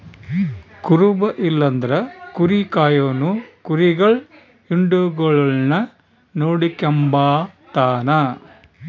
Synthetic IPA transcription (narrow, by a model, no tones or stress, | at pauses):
kuɾubɐʔilːɐnd̪ɐɾɐkuɾikaːjoːnukuɾiɡɐɭ | iɳɖuɡɐɭɐɭnɐ | noːɽikembaːt̪aːnɐ